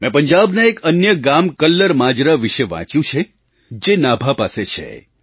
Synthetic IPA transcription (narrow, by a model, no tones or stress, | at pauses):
mɛ̃pəɲd͡ʒabneekənjəɡamkəlːəɾmãd͡ʒɾaʋiʃeʋã̰t͡ʃjũt͡ʃʰe | d͡ʒenabʱapaset͡ʃʰḛ